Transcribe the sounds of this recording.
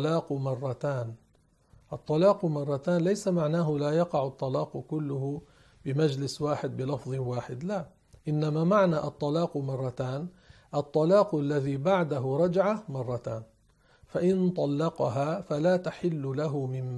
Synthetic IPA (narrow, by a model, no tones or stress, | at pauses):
lɑːqmɑrˤːɑt̪aːn | ʔɑt̪ˤːɑlɑːqmɑrˤːɑt̪aːnlajsamaʕnaːɦʊlaːjɑqɑʕʊt̪ˤːɑlɑːqkʊlːʊhʊ | bɪmad͡ʒlɪswaːħɪd̪̚bɪlɑfðˤwaːħɪd̪la | ʔɪnːamaːmaʕnaːʔɑt̪ˤːɑlɑːqmɑrˤːɑt̪aːn | ʔɑt̪ˤːɑlɑːqʔalːaðiːbaʕd̪aɦʊɾˤɑd͡ʒʕamɑrˤːɑt̪aːn | faʔɪnt̪ˤɑlːɑqɑɦaːfalaːt̪aħɪlːʊlaɦʊmɪm